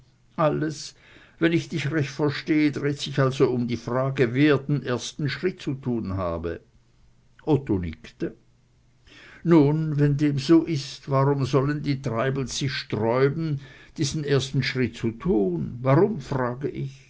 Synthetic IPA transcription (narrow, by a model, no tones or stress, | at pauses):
ʔaləs | vɛnɪçd̥ɪçʁɛçtfɛɐʃteːədʁeːtsɪçalzoʊmdiːfʁ̥aːɡəveːɐdenʔeːɐstn̩ʃʁ̥ɪt̚t͡sutʰuːnha̰ːbə̰ | ʔɔtonɪ̰ktə | nuːnvɛndeːmzoːʔɪstvaʁʊmzɔləndiːtʁ̥aɪbl̩sɪçʃtʁɔʏbn̩d̥iːz̥n̩eːɐstn̩ʃʁ̥ɪt̚t͡sutʰuːnvaʁʊmfʁaːɡəʔɪç